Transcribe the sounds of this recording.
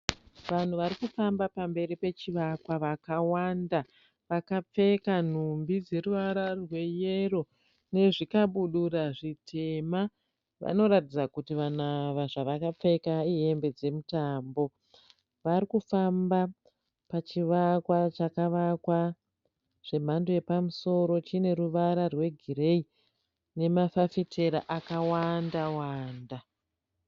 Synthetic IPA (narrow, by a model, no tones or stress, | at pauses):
ʋan̤uʋaɾikufambapambe̞ɾipe̞t͡ʃiʋakwaʋakawanda | ʋakap͡fe̞kan̤umbid͡ze̞ɾuʋaɾarwe̞je̞ɾo̞ | ne̞ʐikaɓuɗuɾaʐitʰe̞ma | ʋa̰no̞ɾatid͡zakutiʋanaʋaʐaʋakap͡fe̞kaie̞mbe̞d͡ze̞mutambo̞ | ʋaɾikufamba | pat͡ʃiʋakwat͡ʃakaʋakwa | ʐ̥e̞m̤andoje̞pamuso̞ɾo̞t͡ʃine̞ɾuʋaɾarwe̞ɡʱiɾe̞i | ne̞mafafitʰe̞ɾaʔakawandawaːnda